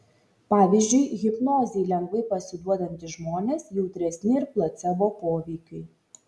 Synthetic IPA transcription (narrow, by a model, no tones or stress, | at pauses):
pɑːʋʲizʲd͡ʒʲʊɪɣʲɪpnoːzʲɛjlʲɛŋɡʋɐɪpɐsʲɪd̪uɔd̪ɐnʲt̪ʲɪʒmoːnʲeːsjɛʊt̪ʲɾʲɛsʲnʲɪɪɾplˠɐt̪sʲɛboːpoːʋʲɛɪkʲɐɪ